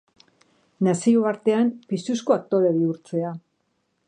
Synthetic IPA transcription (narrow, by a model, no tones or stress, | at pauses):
nasioβaɾt̪e̞ampist̪uskoat̪oɾeβiuɾt͡se̞a